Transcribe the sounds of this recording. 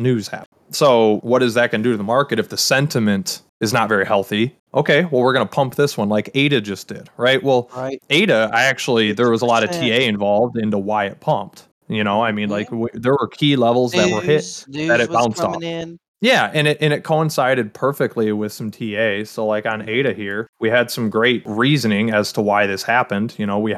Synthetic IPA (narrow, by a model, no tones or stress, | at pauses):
nʉz̥hæ̰p | soʊwʌɾɨzðɨt̚kɨ̃ndɨɾɨðəmɑɹkɨɾɨfðɨsɛ̃ntʰɨmɨ̃nt | ɨznətvɛɹihɛlˠθi | ʔoʊkʰeɪwɛlˠwɨɹɡʌnəpʰʌ̃mp̚ðɪswʌ̃nlaɪkeɪɾɨd͡ʒʌsd̥ɪd̥̚ɹaɪʔ̚wɛlˠeɪɾɨa̰ɪæk̚t͡ʃul̩ˠiðə˞wʌzəlɔɾɨtʰieɪɨ̃ɱvɑlˠvdɪ̃ntuwaɪɨt̚pʰʌ̃mp̚t | jɨñoʊaɪmĩnlaɪkwiðə˞wə˞kʰilɛvl̩ˠzðɨʔ̚wə˞hɪt̚ðɨɾɨt̚b̥ãʊ̃ntstɔɪ | jæɨ̃nɪʔɨ̃nɨt̚kʰoʊə̃nsaɪɾɨd̚pʰɜ˞fɨk̚tˡliwɪð̥sʌ̃m̩tʰieɪsoʊlaɪkɨ̃neɪɾɨhiɹwiɨd̥sʌ̃mɡɹeɪt̚ɹizɨnɪ̃ŋɨz̥tʰəwaɪðɪshæpɨ̃nd̥jɨñoʊwi